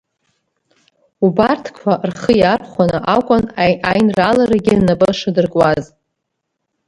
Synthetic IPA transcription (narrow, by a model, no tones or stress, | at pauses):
ubartʰkʷʰarχəjarʰχʷanɨʔakʷʼʊnajnralaɾaɡʲɪnabʼɨʂɨdɨrkʼwaz